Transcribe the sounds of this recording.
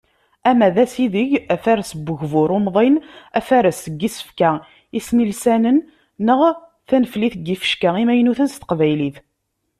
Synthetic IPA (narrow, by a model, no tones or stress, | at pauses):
æmæðæsiðəʝæfæɾsbːəʝvʊɾʊmðˤenæ̰fæɾəsəɡːisə̥fkæ | ismilsænənː | əʁ | θænəfliθəɡːifə̥ʃkæʁimæjnuθənst̪ə̥qvæjliθ